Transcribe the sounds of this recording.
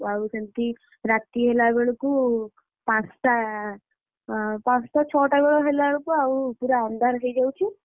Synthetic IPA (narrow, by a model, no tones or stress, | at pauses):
awusɐnt̪i | ɾat̪iɦelaɡeɭuku | pãst̪a | pãst̪at͡ʃʰɔːʈaɡɔɭɔɦelaɭukuawupuɾaand̪aɾɦejd͡ʒawt͡ʃʰi